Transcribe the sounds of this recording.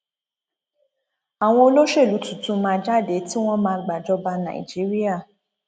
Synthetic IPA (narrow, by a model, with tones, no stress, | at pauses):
a˨w̃ɔ̃˧o˧lo˦ʃe˦˨lu˨˦tũ˦˨tũ˨˧˦mãː˧d͡ʒa˦˨de˨˦ti˦w̃ɔ̃˦mãː˧ɡ͡ba˨d͡ʒɔ˧˦ba˧nã̰˨ḭ˨d͡ʒi˨˦ɾi˦a˦˨